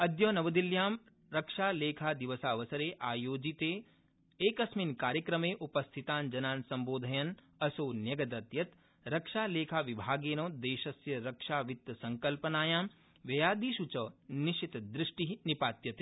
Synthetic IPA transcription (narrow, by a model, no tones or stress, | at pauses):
ɐd̪joːnɐʋɐd̪iljaːm | ɾɐkʃaːleːkʰaːd̪iʋɐsaːʋɐsɐɾeːʔaːjoːd͡ʒit̪eː | eːkɐsminkaːɾjəkɾɐmeːʔupɐst̪ʰit̪aːnd͡ʒɐnaːnsɐ̃mboːd̪ʱɐjɐn | ɐsoːnjɐɡɐd̪ɐt̪jɐt̪ | ɾɐkʃaːleːkʰaːʋibʱaːɡeːnõːd̪eːʃɐsjɐɾɐkʂaːʋɪt̪ːsɐ̃ŋkɐlpɐnaːjaːm | ʋjɐjaːd̪iːʃut͡ʃɐːnɪʃit̪d̪ɾɪʃʈiɦnipaːt̪jɐt̪e̥ː